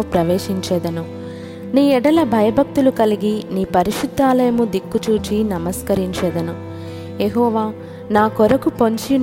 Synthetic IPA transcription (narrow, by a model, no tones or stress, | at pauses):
pɾɐʋeːʃiɲt͡ʃɛːd̪ɐnu | niːɛɽɐlɐbʱɐjɐbʱɐk̚t̪ulukɐliɡiniːpɐɾiʃud̪ːaːlɐjɐmud̪ikːut͡ʃuːt͡ʃinɐmɐskɐɾiɲt͡ʃɛːd̪ɐnu | jeɦɔːʋaː | naːkɔɾɐkupoɲt͡ʃin